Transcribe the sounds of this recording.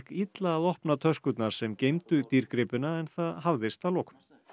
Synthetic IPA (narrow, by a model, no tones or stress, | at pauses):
kit̪laːðɔhpnat̪ʰœskʏt̪naɾ̥sɛmcejmt̪ʏt̪iɾkɾɪpɪnaɛnθaðɦavðɪst̪alɔːkʏ̥m